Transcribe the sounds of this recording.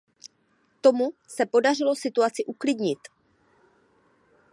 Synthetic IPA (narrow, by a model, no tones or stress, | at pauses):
t̪o̞musɛpo̞dar̝ɪlo̞sɪt̪uat͡sɪʔuklɪdɲɪt̪